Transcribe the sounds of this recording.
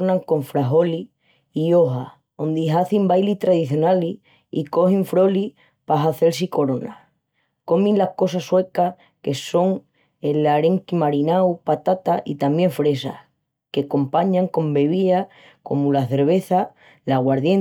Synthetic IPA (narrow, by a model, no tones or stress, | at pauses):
ɾnãŋko̞ɱfɾaɦo̞li | io̞ɦa | ond̪iɦaθimbajlit̪ɾaðiθjo̞naliː | ko̞hiɱfɾo̞li | paɦaθe̞lsiko̞ɾo̞na | ko̞mĩnlahko̞saswe̞ka | ke̞so̞ŋ | e̞laɾe̞ŋkimaɾinawpat̪at̪aʔit̪amje̞ɱfɾe̞sa̰ | ke̞ko̞mpaɲãŋko̞mbe̞β̞ia | ko̞̰mulaθe̞ɾβ̞e̞θa | laɣwaɾðjen